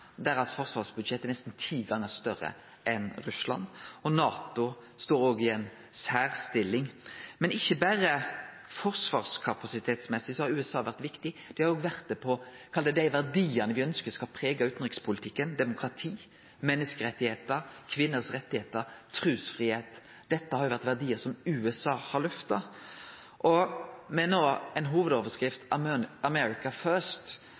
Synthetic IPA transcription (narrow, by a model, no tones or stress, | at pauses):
d̪æɾɑsfɔʁsʋɑːʁsbʉd̪ʃɛt̪ːənɛst̪n̩t̪ʰiːɡɑŋːəst̪œʁə̰ | ʔɛnʁʉslɑ̰nɔnɑːt̪ʊ | st̪oːɾoːɡɪɛn | sæːʁst̪ɪlːɪŋmɛnɪçːəbæɾə | fɔʁsʋɑ̰ːʁskʰɑpɑsɪt̪ʰeːt̪smɛsːɪsɔhɑɾʉːɛsɑːʋæʁt̪ʋɪkt̪ɪd̪̥ɛhɑɾoːɡʋæʁt̪̚d̪ɛpʰɔkʰɑld̪əd̪æɪʋæʁd̪iːənəʋɪœnskəskɑlpʰɾeːɡɑʉːt̪n̩ʁɪkspʰʊlɪt̪ʰɪkːənd̪ɛmʊkɾɑt̪ʰiː | mɛnːəskəɾɛt̪ːɪheːt̪əɾkʰʋɪnːəsʁɛt̪ːɪheːt̪əɾt̪ʰɾʉːsfʁiːheːt̪ | d̪̥ɛt̪ːəhɑɾjʊʋæɾt̪ʋæʁd̪iːəɾsɔmʉːɛsɑːhɑɾlœft̪ɑ | ʔɔmɛnoːɛnɦuːʋəd̪oːʋəskɾɪft̪ɑmɛɾɪkɑfœɾʂt̪